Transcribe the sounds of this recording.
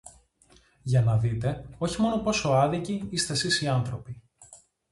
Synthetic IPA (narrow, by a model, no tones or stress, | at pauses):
ʝɐnɐðit̪e̞o̞çimo̞no̞po̞so̞ɐðiciist̪e̞sisiɐnθɾo̞pi